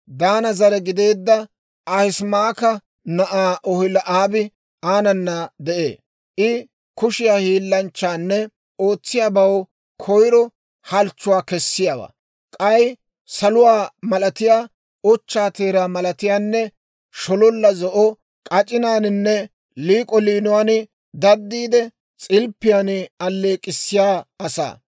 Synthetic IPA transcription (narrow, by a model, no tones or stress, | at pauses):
d̪aːnɐzɐɾɛɡɪd̪e̞ːd̪ːɐ | ɐhɪsmaːkɐ | nɐʔaːʔɔhɪlɐʔaːbɪ | aːnɐnːɐd̪ɛʔḛː | ʔɪ | kʊʃɪjaːhiːlːɐnt͡ʃːaːnːɛ | o̞ːt͡sːɪjaːbɐw | kʰɔjɾɔ | hɐlt͡ʃːʊwaːkɛsːɪjaːwa̰ː | kʼɐj | sɐlʊwaːmɐlɐt̪ɪjaː | ɔt͡ʃːaːt̪e̞ːɾaːmɐlɐt̪ɪjaːnːɛ | ʃɔlɔlːɐzɔʔɔ | kʼɐt͡ʃʼɪnaːnɪnːɛ | liːkʼɔliːnʊwaːnɪ | d̪ɐd̪ːiːd̪ɛ | t͡sʼɪlpːɪjaːnɪɐlːe̞ːkʼɪsːɪjaːɐsa̰ː